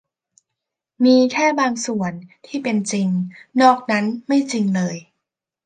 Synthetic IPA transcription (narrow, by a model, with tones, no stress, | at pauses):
miː˧t̪ʰɛː˥˩baː˧ŋsu˨˩ənt̪ʰiː˥˩pe˧nt͡ɕi˧ŋnɔː˥˩k̚na˦˥nma˥˩jt͡ɕi˧ŋlɤː˧j